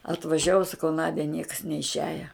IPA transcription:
ɐtʋɐˈʒʲæːʋʊ sɐˈkɐʊ ˈnɑːdʲɛ nʲiɛks nʲɛɪʃʲˈæːjɛ

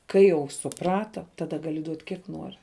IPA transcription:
ˈkɐɪ jɛʊ sʊˈprɑːtɐ ˈtɑːdɐ ˈɡɑːlʲɪ duɔtʲ ˈkʲiɛk ˈnuɔrʲɪ

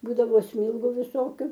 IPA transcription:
ˈbuːdɐʋoː ˈsʲmʲiːlˠɡʊ ʋʲɪˈsoːkʲʊ

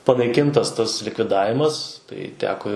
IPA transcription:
pɐnɐɪˈkʲɪntɐs ˈtɐs lʲɪkʋʲɪˈdɑːʋʲɪmɐs tɐɪ ˈtʲæːkoː

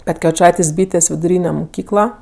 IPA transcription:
pʲɛtʲkʲɛʋʲɪˈt͡ʃɐɪtʲeːsʲ ˈbʲiːtʲeːsʲ ʋʲɪdʊˈrʲiːnʲɛ moːˈkʲiːklˠɐ

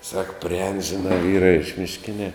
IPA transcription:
sɐk pʲrʲɪˈɛːn ʒʲɪˈnɑː ˈʋʲiːrɐ ɪʃ mʲɪʃʲˈkʲɪnʲɛ

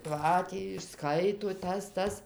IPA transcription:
ˈkɑː tʲiː ɪʃˈskɐɪtoː ˈtɐs ˈtɐs

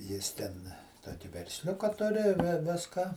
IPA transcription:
ˈjɪs tʲɛn ˈtoːkʲɪ ʋʲɛrʲsʲˈlʲʊkɐ ˈtʊrʲɪ ˈʋʲɪskɑː

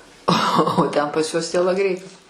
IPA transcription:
oː oː ˈtʲɛn pɐs ˈjuɔs tʲiɛlˠɐˈɡrʲɛɪ

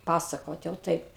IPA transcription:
ˈpɑːsɐkoːt jɛʊ ˈtɐɪp

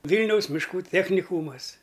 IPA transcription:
ˈʋʲiːlʲnʲɛʊs mʲɪʃˈkuː ˈtʲæːxʲnʲɪkuːmɐs

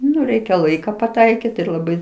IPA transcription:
ˈnʊ ˈrʲɛɪkʲɛ ˈlˠɐɪkɐ pɐˈtɐɪkʲɪt ɪr lˠɐˈbɐɪ

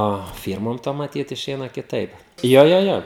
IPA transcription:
oː ˈfʲiːrmoːm ˈtoːm mɐˈtʲiːt ɪˈʃʲɛɪnɐ kʲɪˈtɐɪp ˈjoː ˈjoː ˈjoː

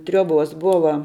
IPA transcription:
ˈtʲrʲuɔˌboːs ˈbʊʋɐ

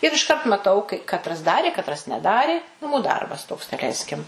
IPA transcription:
ɪr ɪʃˈkɐrt mɐˈtɐʊ kɐɪ kɐtˈrɐs ˈdɑːrʲeː kɐtˈrɐs nʲɛˈdɑːrʲeː nɐˈmuː ˈdɐrbɐs toːks dɐˈlʲɛɪsʲkʲɪm

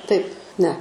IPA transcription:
tɐɪp nʲɛ

